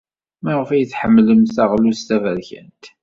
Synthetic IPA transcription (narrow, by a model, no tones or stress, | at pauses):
mæʁəfæjəθħəmːləmθæʁlust̪ævæɾçə̰nt̪